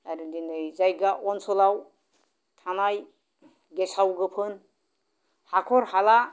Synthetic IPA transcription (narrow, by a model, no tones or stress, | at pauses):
aɾudinɯjzajɡaʔɔnsɔlaw | tʰanaj | ɡesawɡɯpʰɯn | hakʰɔɾhala